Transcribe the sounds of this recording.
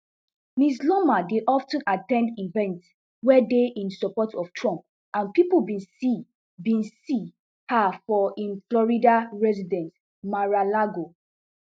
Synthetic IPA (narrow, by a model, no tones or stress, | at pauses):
mislɔmadeʔɔftə̃natɛ̃ndivɛ̃nt | wɛdeʔĩnsɔpɔtʰɔftʰɹɔ̃mp̚ | ʔãnpipolbĩnsi | bĩnsi | hafɔʔĩnflɔɹidaɹɛzidɛ̃nt | maɹalaɡo